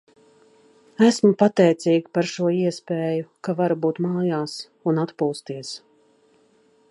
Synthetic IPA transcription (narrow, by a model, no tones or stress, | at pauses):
æsmʊpat̪ɛjt̪siːɡpaɾʃuɔiɛspeːjukavaɾbuːt̪maːjaːs | unat̪puːst̪iɛs